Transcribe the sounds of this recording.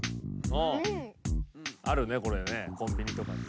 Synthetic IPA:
õ | aɾɯ̟ne̞ko̞ɾene̞kõ̞mbʲiɲ̟it̪o̞ka

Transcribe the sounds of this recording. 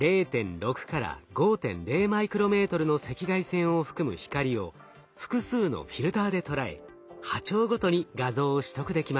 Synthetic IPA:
ɾe̞ːt̪ẽ̞nɾo̞kɯ̟̥kaɾa̰ɡo̞ːt̪ẽ̞̰nɾe̞ːmaikɯ̟ɾo̞me̞ːt̪o̞ɾɯ̟no̞se̞kʲiɡaisẽ̞ɰ̃o̞ɸɯ̟̥kɯ̟mɯ̟̰çi̥kaɾʲio̞̰ | ɸɯ̥kɯ̟sɨːno̞̰ɸʲiɾɯ̟t̪aːd̪e̞t̪o̞ɾae̞̰ | hat͡ɕo̞ːɡo̞t̪o̞ɲ̟iɡazo̞ːɕi̥t̪o̞kɯd̪e̞kʲimas

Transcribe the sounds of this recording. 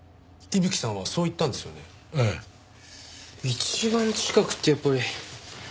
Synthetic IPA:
ibɯ̟kʲi̥sãɰ̃βaso̞ːit̪ːãnd̪e̞sɨjo̞̰ne̞ | e | it͡ɕibãɲt͡ɕi̥kakɯ̟̥t̪ːejapːaɾi

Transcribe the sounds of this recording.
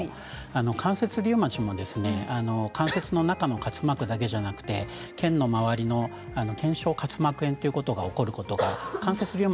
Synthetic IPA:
ano̞kʰãɰ̃se̞t͡sɨɾʲɨːmat͡ɕimo̞d̪e̞sɨne̞ano̞kʰãɰ̃se̞t͡sɨno̞nakano̞kat͡sɨ̥makɯ̟d̪ake̞ʑanakɯ̟̥t̪e̞ | kẽ̞nːo̞maβaɾʲino̞ | ano̞kʰẽ̞ɰ̃ɕo̞ːkat͡sɨmakɯ̟ẽ̞nt̪ːe̞iɯ̟ko̞t̪o̞ɡao̞ko̞ɾɯ̟ko̞t̪o̞ɡa̰kãɰ̃se̞t͡sɨɾʲɨːm

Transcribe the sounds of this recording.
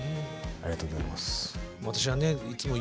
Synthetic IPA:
aɾʲiat̪oːɡoza̰ḭmasβat̪aɕ̬iβane̞it͡sɨmo̞

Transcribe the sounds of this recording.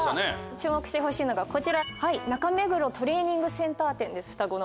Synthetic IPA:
net͡ɕɨːmo̞kɯ̟ɕi̥t̪eɦo̞ɕiːno̞ɡako̞t͡ɕiɾahainakame̞ɡɯ̟ɾo̞t̪ʰo̞ɾe̞ːɲ̟ĩŋɡɯ̟sẽ̞nt̪aːt̪ẽ̞nd̪e̞sɨ̥ɸɯ̥t̪aɡo̞no

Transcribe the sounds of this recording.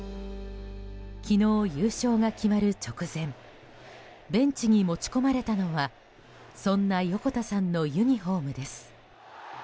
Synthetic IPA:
kʲino̞ːjɯːɕo̞ːɡakʲimaɾɯ̟t͡ɕo̞kɯ̟zẽ̞m | bẽ̞ɲt͡ɕiɲ̟imo̞t͡ɕi̥ko̞maɾe̞t̪ano̞βa | sõ̞nːajo̞ko̞t̪asãnːo̞jɯ̟ɲ̟iɦo̞ːmɯ̟d̪e̞sɨ̥

